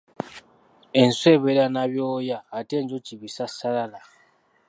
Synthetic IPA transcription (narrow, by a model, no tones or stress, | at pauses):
e̞nsweβeɾanaβjoːjaːteːɲd͡ʒociβisasalala